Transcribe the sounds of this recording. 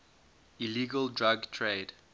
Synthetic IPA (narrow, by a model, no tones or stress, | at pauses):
iliɡəldɹaɡtʰɹed